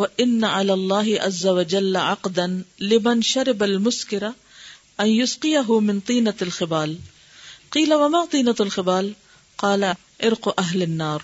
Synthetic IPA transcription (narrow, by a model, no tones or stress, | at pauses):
waʔɪnːaʕalaːlˤːɑːɦɪʔa̰zːɐwad͡ʒalːʕɑqd̪anlɪmanʃaɾɪbalmʊskɪɾa | ʔɐnjʊsqɪjaɦʊmɪnt̪ˤiːnaalxɪbaːl | qiːlawamaːt̪ˤiːnaalxɪbaːl | qɑːla | ʔɪɾqʔaɦlɪnːaːɾˤ